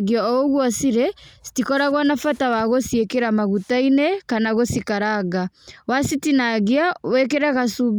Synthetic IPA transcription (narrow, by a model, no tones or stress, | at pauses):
ɡiaɔɔɣwasiɾɛsi̥tikɔɾaɣwanafatawaɣɔsiɛkeɾamaɣutainɛkanaɣɔsikaɾaɣawasitinaɣiawɛkɛɾaɣasuβ